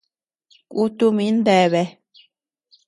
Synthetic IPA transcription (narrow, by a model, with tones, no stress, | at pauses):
kʷu˦t̪u˦mĩ˨˦nd̪e˧˨βe˧